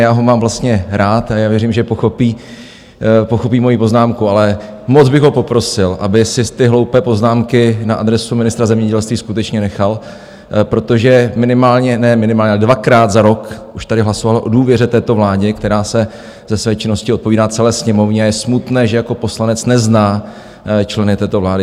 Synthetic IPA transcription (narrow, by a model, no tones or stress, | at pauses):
jaːɦo̞maːmvlast̪ɲɛɾaːt̪ajaːvjɛɾiːmʒɛpoxopiː | poxo̞p̬iːmo̞jiːpo̞znaːmkualɛ | mod͡zbɪɣɦo̞po̞pɾo̞sɪlʔabɪsɪt̪ɪɦlo̞wpɛːpo̞znaːmkɪnaʔadɾɛsumɪnɪst̪ɾazɛmɲɛɟɛlst̪viːskut̪ɛt͡ʃɲɛnɛxal | pɾo̞t̪o̞ʒɛmɪnɪmaːlɲɛnɛmɪnɪmaːlɲɛalɛdvakɾaːt̪zaɾo̞kʔuʃt̪adɪɦlaso̞valoʔo̞duːvjɛrɛt̪ɛːt̪o̞vlaːɟɛkt̪ɛɾaːsɛ | zɛsvɛːt͡ʃɪno̞scɪot̪̚poviːdaːt͡sɛlɛːsɲɛmo̞vɲɛajɛsmut̪nɛːʒɛjako̞po̞slanɛt͡snɛznaː | t͡ʃlɛnɪt̪ɛːt̪ovlaːdɪ